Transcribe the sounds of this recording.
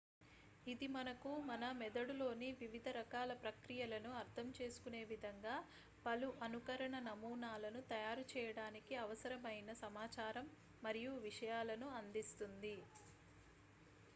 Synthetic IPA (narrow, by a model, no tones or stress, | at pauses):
id̪imɐnɐkumɐnɐmɛd̪ɐɽulo̞ːniʋiʋid̪ʱɐɾɐkaːlɐpɾɐkɾijɐlɐnuɐɾt̪ʰɐmt͡ʃe̞ːsu̥kune̞ːʋid̪ʱɐŋɡaː | pɐluʔɐnukɐɾɐɳɐnɐmuːnaːlɐnut̪ɐjaːɾut͡ʃɛːjɐɽaːnikiɐʋɐsɐɾɐmɐjnɐsɐmaːt͡ʃaːɾɐmː | ɐɾijuʋiʂɐjaːlɐnuɐnd̪ist̪und̪i